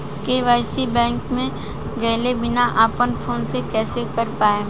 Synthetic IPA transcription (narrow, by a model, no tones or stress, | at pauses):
keːʋaːɪsibɛ̃ːŋkmẽ | ɡɐːlebɪnaʔaːpənpʰoːnsekɛːsekɐɾpaːẽ